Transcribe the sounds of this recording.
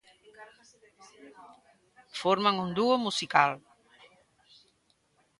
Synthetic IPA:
foɾmaŋund̪uomusikal

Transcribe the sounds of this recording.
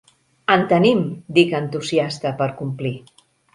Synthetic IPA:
ənt̪ənimd̪ikənt̪uziast̪əpəɾkumpli

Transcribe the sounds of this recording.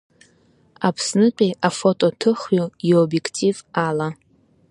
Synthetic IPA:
apʰsnɨqʲʼiʔafo̞tʼo̞tʰɨχɥojobje̞kʰtʰivala

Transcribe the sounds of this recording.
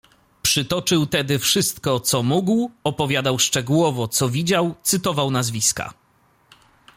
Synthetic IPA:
pʂɘt̪ɔt͡ʂɘwt̪ɛd̪ɘfʂɘst̪kɔt̪sɔmuɡwɔpɔvʲjad̪awʂt͡ʂɛɡuwɔvɔt̪sɔvʲid͡ʑawt̪sɘt̪ɔvawnazvʲiska̰

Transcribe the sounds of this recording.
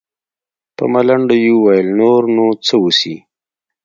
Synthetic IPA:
pə̰malaɳɖajuwajəlnoɾnot͡səwusi

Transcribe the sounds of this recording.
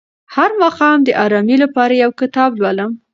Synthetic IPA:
haɾmɑqɑmd̪əʔɑɾɑmilapɑɾajawkɪt̪ɑblwaləm

